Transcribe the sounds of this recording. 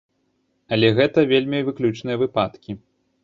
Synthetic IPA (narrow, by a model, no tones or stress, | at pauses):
ɐlʲɛɣɛt̪ɐvʲelʲmʲivɨklʲut͡ʂnɨjɐvɨpat̪kʲi